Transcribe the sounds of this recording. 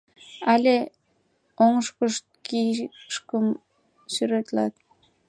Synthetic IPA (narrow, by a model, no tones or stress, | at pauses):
alʲe | oŋəʃkəʃt̪̚kiʃkəm | syɾøt̪lɑ̰t̪